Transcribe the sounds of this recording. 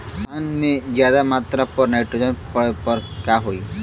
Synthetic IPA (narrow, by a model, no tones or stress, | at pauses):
anmẽd͡ʒjaːd̪amaːt̪ɾapɔɾnaɪʈɾod͡ʒənpəɽepəɾkaɦoːj